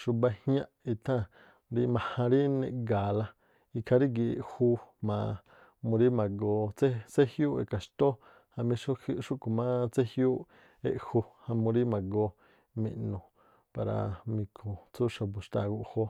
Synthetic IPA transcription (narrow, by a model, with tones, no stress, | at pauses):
ʃu˧ba˧hjã˦ʔi˧t̪ʰã˦ | ɾi˧mã˧hã˧ɾi˦nḛ̃˧ɡa˨la˧ | i˧kʰa˧ɾi˦ɡi˧ḛ˨ʔhu˧mã˧ | mũ˧ɾi˦mã˨ɡo˧t͡se˦t͡se˦hju˦ḛ˨ka˨ʃt̪o˦ | hã˧mĩ˧˦ʃu˦ku˨mã˦t͡se˦hju˦ | ḛ˦˨ʔhu˧hã˧mũ˧ɾi˦mã˨ɡo˧ | mḭ̃˧ʔnũ˨ | pa˨ɾa̰˧mĩ˧kʰũ˨t͡su˦ʃa˧bu˨ʃt̪a˧˨ɡu˧ʔho˧